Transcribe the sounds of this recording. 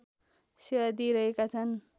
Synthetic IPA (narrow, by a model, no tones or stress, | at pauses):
sad̪iɾʌɦekat͡sʰʌn